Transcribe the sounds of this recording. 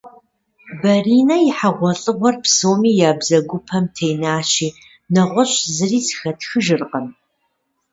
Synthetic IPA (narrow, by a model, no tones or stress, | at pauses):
bɐriːnɐjɪħaʁʷɔɬʼɨʁʷɔrpsoːmiːjaːbzɐɡʷʊpʰɐmtʰejnaːʃiː | nɐʁʷɔɕzɨriːz̥xɐtxɨʒɨrqɐn